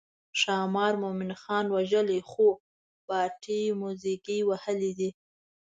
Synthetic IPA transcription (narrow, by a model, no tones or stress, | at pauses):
ʃɑmɑɾmomɪnxɑnwaʒəlixo | b̥ɑʈijmuzikiwahəlid̪i